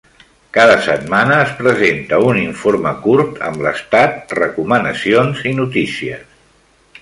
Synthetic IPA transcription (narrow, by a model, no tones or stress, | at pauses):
kaðəsət̪manəːspɾəzent̪əuniɱfoɾməkuɾt̪ʰə̰mlə̰st̪at̪̚rəkumənəsionzinut̪isiəs